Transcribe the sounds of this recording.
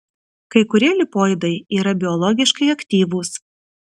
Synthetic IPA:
kɐɪkʊɾʲiɛlʲɪpoːjd̪ɐɪiːɾɐbʲɪɔlˠɔɡʲɪʃkɐɪɐkʲt̪ʲiːʋuːs

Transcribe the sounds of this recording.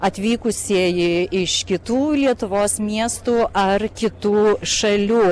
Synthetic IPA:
ɐt̪ʲʋʲiːkʊsʲiːjɪɪʃkʲɪt̪uːlʲiɛt̪ʊʋoːsmʲiɛst̪uːʔɐrkʲɪt̪uːʃɐlʲuː

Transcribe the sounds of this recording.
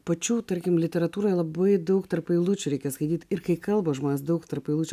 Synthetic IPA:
pɐt͡ʃʲut̪ɐɾʲkʲɪmlʲɪt̪ʲɛɾɐt̪uːɾojlˠɐbɐɪd̪ɐʊkt̪ɐɾpilˠut͡ʃʲʊɾʲɛɪkʲɛskɐd̪ʲiːt̪ʲɪɾkɐɪkɐlˠbɐʒmoːnʲɛsd̪ɐʊkt̪ɐɾpilˠut͡ʃʲ

